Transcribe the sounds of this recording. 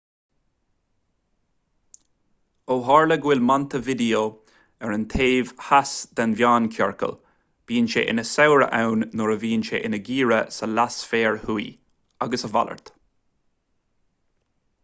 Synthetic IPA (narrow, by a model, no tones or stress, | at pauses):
oːɦaːɹləɡwɪlmant̪əvɪd̪ijo | ɛɹənt̪ʰeːvhasd̪̥anvjaːnkʰɔɹkə̰l | b̥iːnʃḛːʔɪ̰nəsawɹə̰ʔawnːɔɹəviːnʃḛʔɪnəɡiːɹəsəlasfeːɹhui | aɡəsəva̰lə̰ɹt̪